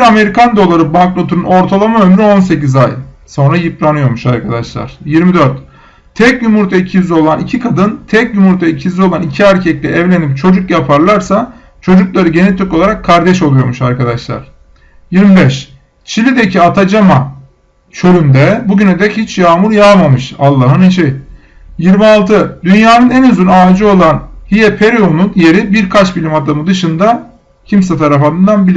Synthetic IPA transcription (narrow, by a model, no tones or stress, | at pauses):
ɾame̞ɾikand̪o̞lˠaɾɯbaŋklˠo̞t̪ʰuɾuno̞ɾt̪ʰalˠamaømɾyo̞ns̬e̞cizaj | so̞nɾajipɾanɯjo̞ɾmuʃaɾkʰad̪aʃlˠa̰ɾ̥jiɾmid̪øɾt̪ | t̪ʰɛcjymuɾt̪ʰaicʰiyzʲio̞lˠanicʰikʰad̪ɯnt̪ʰɛcjymuɾt̪ʰaicʰizio̞lˠanicʰiæɾcʰɛclʲɛɛvlʲe̞nip̚t͡ʃʰo̞d͡ʒukjapʰaɾlˠaɾsa | t͡ʃʰo̞d͡ʒuklˠaɾɯɟe̞nit̪ʰyko̞lˠaɾakʰːaɾd̪ɛʃo̞lˠujo̞ɾmuʃaɾkad̪aʃlˠa̰ɾ̥ | jiɾmibɛʃ | t͡ʃʰilʲid̪ecʰiat̪ʰad͡ʒama | t͡ʃʰøɾynd̪ɛbuɟyned̪ɛhit͡ʃjaːmuɾjaːmamɯʃalˠːaɦɯneʃej | jiɾmialˠt̪ʰɯd̪ynjaːnɯnɛnøzynaːd͡ʒio̞lˠanhijɛpʰeɾionunje̞ɾibiɾkʰat͡ʃbilʲimad̪amɯd̪ɯʃɯnd̪a | cʰimsɛt̪ʰaɾafanɯnd̪anbilʲi